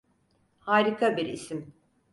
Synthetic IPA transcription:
haːɾikʰabiɾḭsim

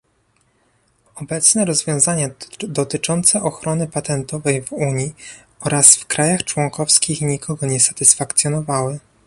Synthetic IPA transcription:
ɔbɛt̪snɛɾɔzvʲjɔ̃w̃zaɲad̪ɔt̪ɘt͡ʂɔnt̪sɛʔɔxɾɔnɘpat̪ɛnt̪ɔvɛjvuɲi | ɔɾasfkɾajaxt͡ʂwɔŋkɔfskʲixɲikʰɔɡɔɲɛsat̪ɘsfakt̪sʲjɔnɔvawɘ

